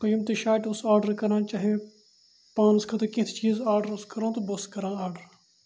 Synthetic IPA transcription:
pɐjəmt̪eʃaːʈʊsaːɾɖəɾkɐɾnãːt͡ʃaːɦie | pãːnskʰɐt̪ekɪt̪ʰt͡ʃiːzaːɾɖəɾʊskɐɾãːt̪obɐskɐɾãːaːɾɖəɾ

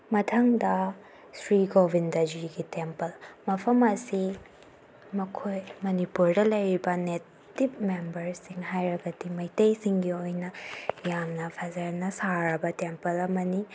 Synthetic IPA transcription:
mɐtʰɐŋdɐ | sɾiɡobʱindɐd͡ʒiɡitempɐlmɐpʰɐmɐsi | mɐkʰojmɐnipuɾdɐlɐjɾibɐne | ip̚membɐɾsiŋɦajɾɐɡɐdimɐjtejsiŋɡiojnɐjamnɐpʰazɐɾnɐsaɾɐbɐtempɐlɐmɐni

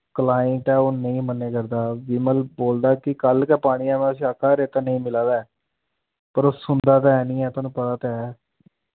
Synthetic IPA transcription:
kəlaːəɳʈɛːoːnəĩːmənːeːkəɾd̪aːʋɪːməlboːld̪aːkɪkəlkɛːpaːɽ̃iːɛːmɛ̃əs̬ĩːakʰːaːɾeːt̪aːnəĩːmɪlãːd̪aɛː | pəɾoːsʊnd̪aːt̪aɛːnĩːɛːt̪onũːpət̪aːt̪ɛɛː

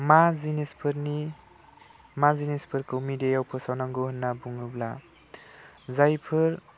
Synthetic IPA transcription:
mazinespʰɯɾni | mazinespʰɯɾkʰɯmidejawpʰɯsawnaŋɡoɦɯnːabuŋɯbla̰ | zajpʰɯɾ

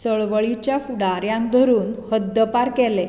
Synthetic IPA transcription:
səɭʋəɭit͡ɕjafuɽaɾjãnd̪ʱəɾuːnhəd̪ːəpaɾkɛle

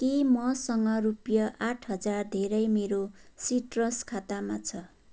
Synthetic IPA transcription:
kemʌsʌŋɡʌɾupjʌʔaʈʰɦʌd͡zard̪ʱeɾʌjmeɾosiʈrʌskʰat̪amat͡sʰʌ

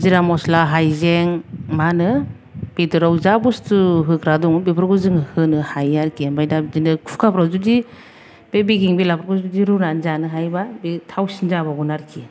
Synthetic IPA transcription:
ziɾamɔslaɦajzeŋmanɯ | b̥itɯɾawzabustuɦɯkɾaduŋbipʰɾɡuzɯŋhɯnɯhajaɾkʰibajdazinɯkʰu̥fkʰapɾawzudi | b̥ebiɡiŋbilapʰɾɡuzudiɾuɾanzanɯɦajbabitʰawsinzabaɡunaɾkʰi

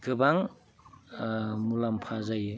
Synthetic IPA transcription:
ɡɯbaŋ | mulampʰazaj

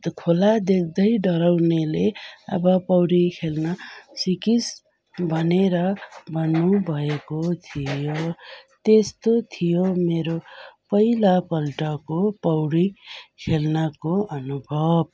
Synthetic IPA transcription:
kʰolad̪ekʰd̪ʌjɖʌɾawneleʌ̰bʌpʌwɽikʰelnʌsikis | bʱʌneɾʌbʱʌnːubʱʌekot̪ʰijot̪est̪ot̪ʰijomeɾopʌjlapʌlʈʌkopʌwɽikʰelnʌkoʌnubʱʌb̚

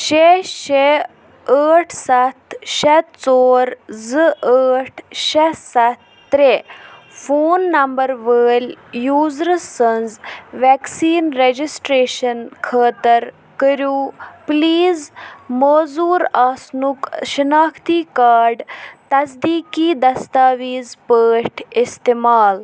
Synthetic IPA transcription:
ʃeʃe | əːʈʰsɐt̪ʰʃɐt̪t͡soːɾzɨəːʈʰʃɐsɐt̪̚ːɾe | foːnːɐmbəɾʋəːlʲjuːzɾɨsɐnzʋɛːksiːnɾed͡ʒisʈɾeːʃɐnkʰəːt̪ɐɾ | kəɾjuːpliːzmoːzuːɾaːsnukʃinaːxt̪iːkaːɾɖt̪ɐsd̪iːkiːd̪ɐst̪aːʋiːzpəːʈʰɪst̪eːmaːl

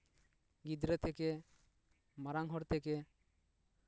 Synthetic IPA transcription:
ɡid̪ɾɛt̪ʰɛkɛ | maɾaŋɦɔɾt̪ʰɛkɛ

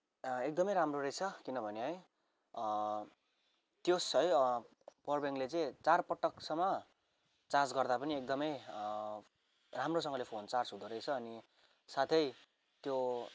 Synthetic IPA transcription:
ek̚d̪ʌmʌjɾamroɾʌjt͡sʰʌkinʌbʱʌneɦʌj | t̪josʌj | pʌrbeŋlet͡sʌĩt͡sarpʌʈːʌksʌmːʌ | t͡sad͡zɡʌrd̪apʌniek̚d̪ʌmʌj | ramrosʌŋɡʌlepʰont͡sart͡sɦud̪oɾʌjt͡sʰʌːni | sat̪ʰʌj | t̪jo

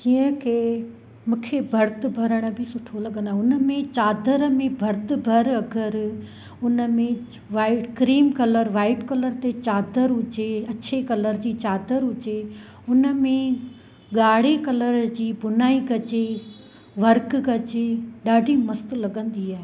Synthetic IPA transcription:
d͡ʑiːə̃kʰeː | mũːkʰebʱɐɾt̪ɪ̆bʱɐɾəɽ̃ə̆bʱɪsʊʈʰolɐɠənd̪aːɦʊnəmẽt͡ɕaːd̪ʱəɾmẽbʱɐɾt̪ɪ̆bʱɐɾɐɡəɾ | ʊnə̆mẽ | ʋaːɪʈkɾiːmkɐləɾʋaːɪʈkɐləɾt̪et͡ɕaːd̪ʱəɾɦʊt͡ɕeɐt͡ɕʰekɐləɾd͡ʑiːt͡ɕaːd̪ʱəɾɦʊt͡ɕe | ʊnəmẽ | ɠaːɽ̤ekɐləɾd͡ʑiːbʊnaːiɡɐt͡ɕe | ʋɐɾkɡɐt͡ɕeɗaːɖʱimɐst̪lɐɠə̃nd̪iaːɦeː

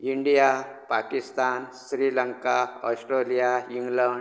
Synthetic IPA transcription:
iɳɖijapakist̪aːnsɾiːləŋkaɔ̰sʈɾelijajiŋɡləɳ

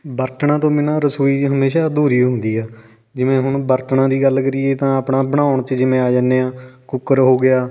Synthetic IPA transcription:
bəɾt̪ɳãːt̪õːmɪnãːɾəsuːiːɦəmeːʃaːd̪uːɾiːɦʊ̃nd̪iːɛː | d͡ʒɪʋẽːɦʊɳbəɾt̪ɳãːd̪iːɡəlkəɾiːeːt̪ãːəpɳaːbəɽ̃aːʊɳt͡ʃd͡ʒɪmẽːaːd͡ʒaːneːãːkʊkəɾɦoːɡɪaː

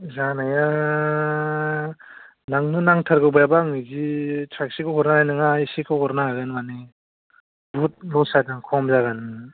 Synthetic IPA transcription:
zanaja | naŋnɯnaŋtʰaɾɡɯwbajabaŋɯzit͡ʃʰak̚sikʰɯwɦɔɾnaajnɯŋaisikʰɯwɦɔɾnaaɡɯnmani | but̚lɔsataŋkʰɔmzaɡanɯ

